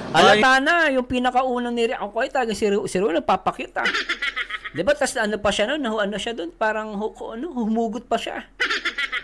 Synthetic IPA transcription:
ʔɐlɐt̪aːnɐjʊŋpiːnɐkɐʔuːnɐŋniɾɪʔoŋkoʔɐjot̪ɐlɐɡaŋsɪɾsɪɾonɐpapɐkit̪ɐ̰ | d̪ɪbat̪ɐsɐnopɐʃanonːɐhoʔɐnoʃad̪onpaːɾɐŋhokoʔɐnohʊhʊmuːɡʊt̪̚pɐʃa̰

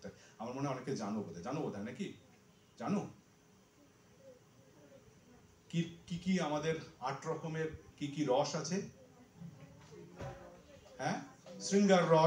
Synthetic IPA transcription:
t̪aɾamaɾmoneɔneked͡ʑanobod̪ʱad͡ʑanobod̪ʱanaki | d͡ʑano | kikikiamad̪eɾaʈɾɔkʰomeɾkikiɾɔʃat͡ɕʰe | hɛ̃ːsɾiŋɡaɾːɔ

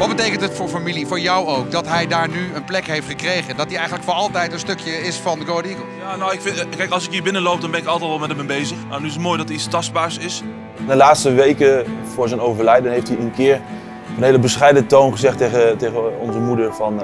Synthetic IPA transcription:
ʋɑtd̚bətejkəntɦətfʊːɹfamilifʊːɹjɑwowk̚dɑtɦɛjdaːɹnyənplɛkɦejftχəkrejχəndɑtiɛjχənləkfɔnɑlˠtɛjtə̃nstɵkjəɪsfɑndəɡoədiɡojaːnowɪkfɪkɛjkɑlˠsɪkɦiːɹbɪnəlowp̚dɔnbɛnɪkɑlˠtɛtʋɛlˠmɛtəmɛbejzəχna̰nyɪsətmojdɑtəistɑstbaːɹsɪs | ndəlaːtstəʋejkəv̥ʊːɹzɛjnowvəɹlɛjdənɦejftiənkɪːɹ | ənɦejləbəsχɛjdəntownχəzɛχtejχətejɣəɔnzəmudəɹvɑn

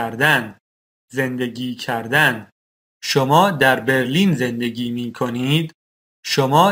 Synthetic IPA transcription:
ɾd̪æn | ze̞nd̪e̞ɡiːcʰæɾd̪æn | ʃomɒːd̪æɾbe̞ɾliːnze̞nd̪e̞ɟiːmiːkʰo̞niːd̪ | ʃomɒː

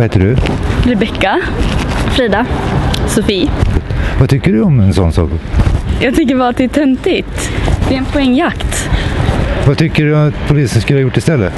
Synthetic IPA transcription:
hɛːt̪ːəɖɵɾɛbɛkːa | fɾiːd̪asʊfiː | vat̪ʰʏkːəɖɵɔmɛnsɔnːsɑ̰ːkjɑːɡ̚t̪ʰʏŋk̬ːəɾvaat̪̚d̪ɛæʈʰɛmt̪ɪt̪d̪̥ɛɾɛnpʰʊɛŋːjakt̪ | vat̪ʰʏkːəɖɵɔt̪pʰʊliːsənskɵləhajʊʈːɪst̪ɛlːə

